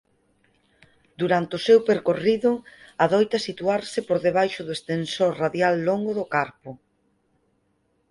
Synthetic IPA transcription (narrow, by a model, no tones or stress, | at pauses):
d̪uɾant̪ɪʊsewpeɾkoriðʊaðɔjt̪ɐsit̪uaɾsɪpoɾðeβ̞ajʃʊðoʊest̪ensoɾraðjalːoŋɡʊðʊkaɾpʊ